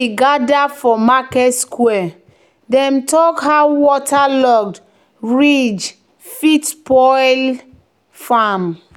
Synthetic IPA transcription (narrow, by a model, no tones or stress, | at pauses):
iɡadafɔmakɛtskwɛ | dɛ̃mtɔkhawɔtʰalɔɡ̚d | ɹid͡ʒ | fitpɔjl | fam